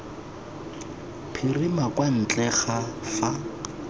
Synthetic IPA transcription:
pʰirimakʼwan̩t͡ɬʼɛχafa

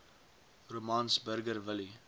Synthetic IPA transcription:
romɑnsbərɡərvəli

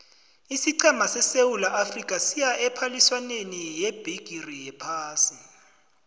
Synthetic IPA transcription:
isiǀɛmasɛsewulaʔafrik̬ʼasijaʔɛpʰaliswanenijɛb̥ʱiɡ̥ʱirijɛpʰaːsi

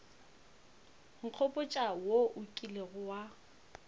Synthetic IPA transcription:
ŋ̩q͡χʰɔpʼʊt͡ʃʼawoʔʊkʼileɣʊwa

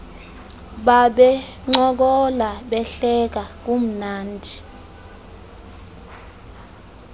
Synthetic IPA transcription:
ɓaɓɛ | ŋ͡ǃɔk̬ɔlaɓɛɬɛk̬ak̬ʼum̩naːndʱi

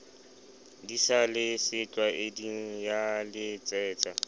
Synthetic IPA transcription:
disalɪsɪt͡ɬʼwaʔediŋ̩jalɪt͡sʼɛːt͡sʼa

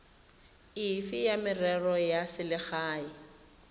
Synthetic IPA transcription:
ɪfɪjamɪrɛrɔjasɪlɪχaːɪ

